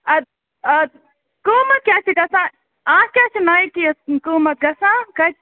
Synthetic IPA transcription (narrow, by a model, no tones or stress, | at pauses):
ɐd̪ | ɐ | kuːmɐt̪̚kʲaːt͡ʃiɡɐsãː | ãːkʲjaːt͡ʃʰinaikiɐkuːmɐt̪̚ɡɐsãːkɐ